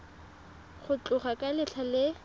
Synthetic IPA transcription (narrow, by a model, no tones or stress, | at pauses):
χʊt͡ɬʼʊχakʼalɪt͡ɬʰalɪ